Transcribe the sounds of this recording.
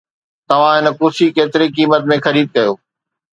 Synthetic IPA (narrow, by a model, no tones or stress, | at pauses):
t̪ɐʋ̤ãɦɪnə̆kʊːsikeːt̪ɪɾikiːmət̪mẽxɐɾiːd̪̚kɐjoː